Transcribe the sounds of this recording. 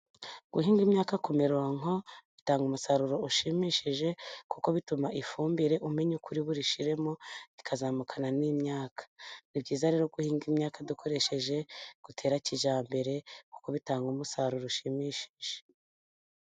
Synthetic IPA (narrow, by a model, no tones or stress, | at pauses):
ɡ̥uɦiːŋɡimɲaːkako̞me̞ɾuwaŋo̞βitaːŋɡumusaɾuɾo̞uʃimiʃiʒe̞kuko̞βitumaʔifuːmbiɾe̞ʔume̞ɲukuɾiβuɾiʃiɾe̞mo̞βikʰazaːmukʰananimɲaːkʰḁnibɟiːzaɾe̞ːɾoɡuhiːŋɡimɲaːkadukʰo̞ɾe̞ʃe̞ʒe̞ɡ̥utʰe̞ːɾaciʒaːmbe̞ɾe̞ku̥ko̞βitaːŋɡumusaɾuɾuʃimiʃi̥ʒ̥e̥